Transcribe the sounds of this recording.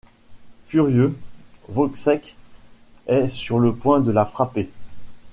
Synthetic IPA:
fyʁjøvɔksɛk | ɛsyʁləpwɛ̃d̪əlafχape

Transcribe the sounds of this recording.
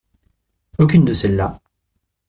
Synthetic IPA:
okʲynd̪əsɛlːa

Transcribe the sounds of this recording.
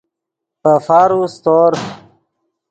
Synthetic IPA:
pəfaːɾust̪oːɾ

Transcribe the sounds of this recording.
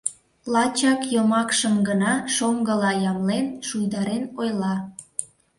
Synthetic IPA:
lɑt͡ɕɑkjomɑkʃəmɡənɑʃoŋɡəlɑjɑmlenʃujd̪ɑɾenojlɑ

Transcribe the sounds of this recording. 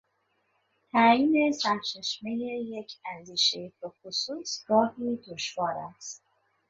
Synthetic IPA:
t̪ʰæjiːne̞sæɾt͡ʃʰe̞ʃme̞jeje̞cʰænd̪iːʃejbexosuːsɡɒːhiːd̪oʃvɒːɾæst̪

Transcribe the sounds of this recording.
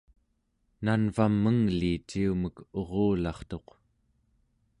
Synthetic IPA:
nanvamːəŋlit͡ʃiuməko̞ʁoːlɑχt̪o̞q

